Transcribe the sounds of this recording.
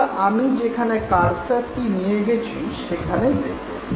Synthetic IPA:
ʔamid͡ʑekʰanekaɾsaɾtinijeɡet͡ɕʰiʃekʰaned̪ek

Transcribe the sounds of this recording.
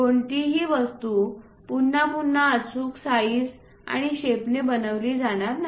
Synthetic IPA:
ɡoɳʈiɦiːʋəst̪u | punːapunːaət͡suːksaiːs | a̰ɽ̃iɕepnebənəʋliːd͡zaɽ̃aɾnaɦ

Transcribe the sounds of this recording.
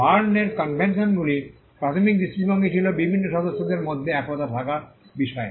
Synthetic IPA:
baɾneɾkɔnbʱensonɡuli | pɾat̪ʰomik̚distɾik̚bɔŋɡit͡ʃʰilobibʱinːoʃɔd̪oʃːod̪eɾmɔd̪ʱːeɛkɾɔt̪at̪ʰakaɾbiʃɔe

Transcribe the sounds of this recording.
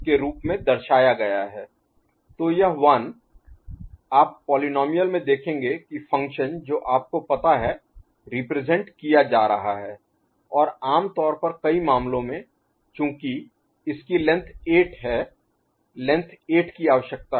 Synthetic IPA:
keɾuːpmẽd̪ɐɾʃaːjaɡɐjaɦɛː | t̪ojɐɦʋɐn | aːpːɔːlinɔːmijəlmẽd̪eːkʰẽːŋɡekifʰɐ̃ŋkʃənd͡ʒoːʔaːp̚kopɐt̪aɦɛ | ɾɪpɾeːzɛ̃ɳʈkijad͡ʒaːɾɐɦaɦɛː | ɔːɾaːmt̪ɔːɾpɐɾkɐimaːmlõmẽ | t͡ʃjũːki | ɪskilɛ̃nt̪ʰeːʈɦɛː | lɛ̃nt̪ʰeːʈkiaːʋəʃjək̚t̪a

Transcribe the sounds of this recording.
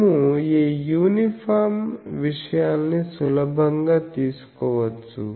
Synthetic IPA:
mueːjuːnipʰaːɾmʋiʂɐjaːnːisulɐbʱɐŋɡaːt̪iːsu̥kɔːʋɐt͡sːṵ

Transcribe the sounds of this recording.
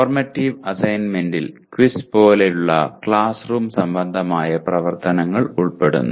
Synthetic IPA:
rmɐtːiːʋɐsɐjnme̞ndilkʋispo̞ːlejuɭːɐ̰kɭaːsruːmsɐmbɐnd̪ʱɐmaːjɐprɐʋɐrt̪ɐnɐŋːɐɭuɭpe̞ɽṵnːu

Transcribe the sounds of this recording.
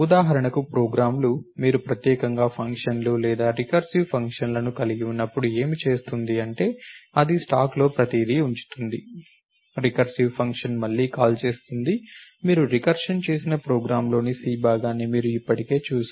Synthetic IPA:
ud̪aːɦɐɾɐɳɐkupɾoːɡɾaːmlumiːɾupɾɐt̪jɛːkɐŋɡaːpʰɐŋkʂɐnlulɛːd̪aːɾikɐɾsiʋpʰɐŋkʂɐnlɐnukɐliɡiunːɐpːuɽue̞ːmit͡ʃe̞ːst̪und̪iɐɳʈe̞ːɐd̪isʈaːklo̞ːpɾɐt̪iːd̪iuɲt͡ʃu̥t̪und̪i | ɾikɐɾsipʰɐŋkʂɐnmɐlːiːkaːlt͡ʃe̞ːst̪und̪imiːɾuɾikɐɾʂɐnt͡ʃe̞ːsinɐpɾoːɡɾaːmlo̞ːnisiːbaːɡaːnːimiːɾuipːɐʈike̞ːt͡ʃuːsa

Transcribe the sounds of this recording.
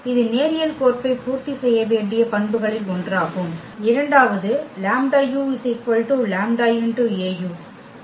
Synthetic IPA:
ɪðɯneːɾɪjɐlkoːrpɐɪpuːɾt̪isɛjːɐʋeːɳɖɪjɐpɐɳbɯɣɐɭɪlɔɳdraːɣɯm | ɪɾɐɳɖaːʋɐðɯlaːmɖaːjusɪkʋɐlʈulaːmɖaːjɯnʈueːjuː

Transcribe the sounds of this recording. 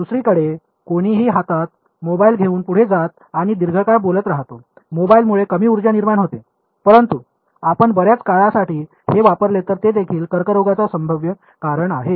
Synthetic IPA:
d̪usɾiːkəɽe | koɽ̃iːɦiːɦat̪at̪̚ | mobailɡʱeuːnpuɽ̤ed͡zat̪̚ | aɽ̃id̪iɾɡʱəkaɾbolət̪ɾaɦt̪o | mobailmuɭekəmiːuɾd͡ʑjaniɾmaɳɦot̪e | pəɾənt̪u | apəɳbəɾjat͡skaɭasaʈiː | heʋapəɾlet̪əɾt̪ed̪ekʰiːlkəɾkəɾoɡat͡sasəmbʱəʋjə | kaɾəɳaɦe

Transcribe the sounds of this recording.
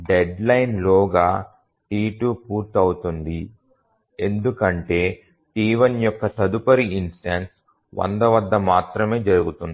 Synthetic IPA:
ɖeɖlɐjnlɔːɡaː | ʈiːʈuːpuːɾt̪ɐwut̪und̪i | e̞nd̪ukɐɳʈe̞ː | ʈiːʋɐnjɔkːɐt̪ɐd̪upɐɾiinsʈenʈs | ʋɐ̰nd̪ɐʋɐd̪ːɐmaːt̪ɾɐme̞ːd͡ʒɐɾuɡut̪und̪i

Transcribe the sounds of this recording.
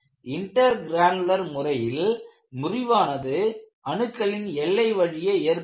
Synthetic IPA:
ʔɪɳʈɐɾɡɾaːɳlɐɾmʊrɐjɪl | mʊrɪʋaːnɐðɯ | ɐɳɯkːɐɭɪnɛlːɐɪʋɐɻɪjɐeːɾ

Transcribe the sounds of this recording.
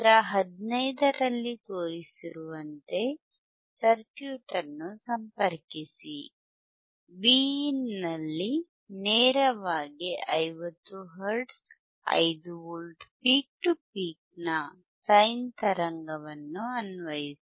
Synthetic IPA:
ɾɐɦɐd̪nɐjd̪ɐɾɐlːit̪oːjisiɾuʋɐnt̪e̞ | sɐɾkjuːʈɐɾnːusɐmpɐɾkisi | biːinːɐlːi | nɛːɾɐʋaːɡiʔɐjʋɐt̪ːuɦɐɾɖs | ɐ̰jd̪uulʈpiːk̚ʈupiːk̚nɐ | sɐjnt̪ɐɾɐŋɡɐʋɐnːuɐnʋɐjisi

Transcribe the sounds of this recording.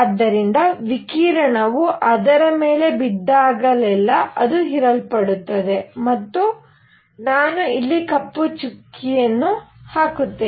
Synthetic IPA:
ɐd̪ːɐɾind̪ɐʋikiːɾɐɳɐʋuʔɐd̪ɐɾɐme̞ːle̞bid̪ːaːɡɐlɛlːɐɐd̪uɦiɾɐlpɐɽut̪ːɐd̪e̞mɐt̪ːu | naːnuilːikɐpːut͡ʃukːijɐnːuhaːkut̪ːeː

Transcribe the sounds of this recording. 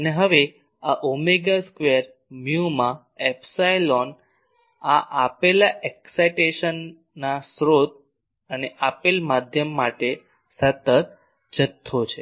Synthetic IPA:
əneɦəʋe | aʔomeɡaskʋeəɾ | mjumã | ɛpsajlɔn | aʔapelaʔeksajʈeʃənː | asɾot̪̚ | əneʔapelmad̪ʱjəmːaʈe | sət̪ət̪̚ | d͡ʒət̪ʰːot͡ʃʰe

